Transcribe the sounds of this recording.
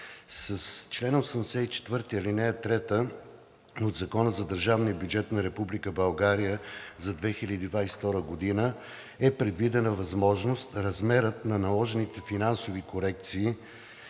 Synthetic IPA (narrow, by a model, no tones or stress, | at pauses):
səst͡ʃlɛnosəmd̪ɛsɛit͡ʃɛ̥t̪vɤɾt̪iəlinɛjət̪ɾɛt̪ə | od̪zɐkɔnəzɐd̪əɾʒavnijəbjud͡ʒɛt̪nɐɾɛpublikəbɐlˠɡaɾijəzɐd̪vɛxilʲəd̪id̪vaisft̪ɔɾəɡod̪inə | ɛpɾɛd̪vid̪ɛnəvɐzmɔʒnost̪ɾɐzmɛɾət̪nɐnɐlˠɔʒɛnit̪ɛfinansovikoɾɛk̚t̪siː